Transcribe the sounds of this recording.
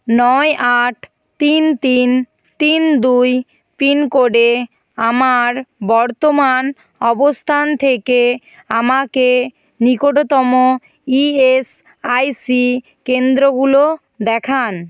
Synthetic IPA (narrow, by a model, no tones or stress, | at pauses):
nɔeaʈʰ | t̪int̪in | t̪ind̪uj | pinkoɖe | amaɾbɔɾt̪oman | ɔbost̪ʰant̪ʰeke | amake | nikoʈot̪ɔmo | ies | ajsi | kend̪ɾoɡulo | d̪ɛkʰan